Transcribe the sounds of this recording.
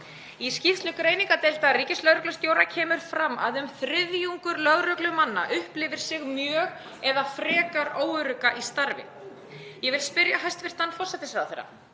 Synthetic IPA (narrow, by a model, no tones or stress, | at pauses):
iscift̪lʏkɾeːjniŋkat̪ejl̥t̪ariːcɪslœɣɾœklasc̪joːwɾacʰɛːmʏɾ̥fɾamːa̰ðʏmθɾɪðjuŋkʏɾlœɣɾœklʏmanːa̰ʔʏhplɪvɪɾ̥sɪɣmjœːɣ | ɛðafɾɛːkaɾoːwʏɾʏkaʔist̪aɾvɪ̰ | jɛvɪlspɪɾjaɦajst̪vɪr̥t̪θanfɔr̥sɛt̪ɪsvɛɾðaθejɾːa̰